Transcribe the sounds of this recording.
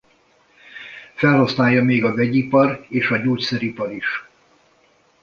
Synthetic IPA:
fɛlɦɒsnaːjːɒmeːɡɒvɛɟipɒreːʃɒɟoːcsɛɾipɒɾiʃ

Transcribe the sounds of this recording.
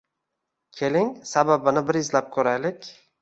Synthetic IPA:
kʲʰe̞lɪŋsababɪnɪbɪɾɪzlap̚kʲʰɵɾajlɪkʲ

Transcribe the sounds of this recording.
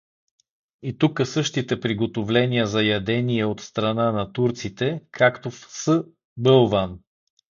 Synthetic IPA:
it̪ukəsɤʃt̪it̪ɛpɾiɡot̪ovlɛnʲijəzɐjɐd̪ɛniɛot̪st̪ɾɐnanɐt̪uɾt̪sit̪ɛkʰakt̪ofsə | bɤlˠvan

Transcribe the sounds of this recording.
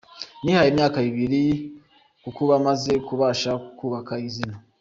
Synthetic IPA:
nihajeːmɲaːkaiβiɾi | kukuβamaze̞kuβaːʃaku̥kuːβakaizina

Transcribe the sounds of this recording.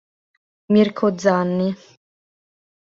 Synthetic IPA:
mirkʰod̪zanːi

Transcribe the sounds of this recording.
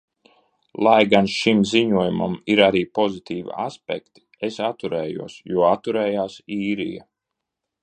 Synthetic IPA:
lˠajɡanʃimziɲuɔjuma̰miɾaɾiːpɔzit̪iːvḭa̰spɛ̰kt̪i̥ | esat̪ːuɾɛːjṵɔsjuɔat̪ːuɾɛːjaːsiːɾḭja̰

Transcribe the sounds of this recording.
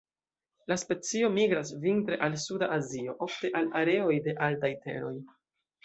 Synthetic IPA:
laspe̞t͡sio̞miɡɾasvintɾe̞ʔalsudaʔazio̞ʔo̞fte̞ʔalaɾe̞o̞jde̞ʔaltajte̞̰ɾo̞j

